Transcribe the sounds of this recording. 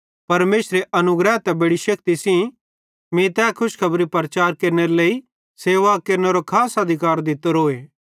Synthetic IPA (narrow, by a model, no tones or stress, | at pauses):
pɐɾmeːsɾeʔɐnʊɡɾɛɦt̪ɛbeɽiʃɐkt̪isĩ | mĩt̪ɛːkʰʊskʰɐbɾipɾɐt͡ʃaːɾkeːɾneɾeleːi | seːʋakeːɾneɾokʰaːsɐd̪ʱɪkaːɾd̪ɪt̪əɾɦoːeː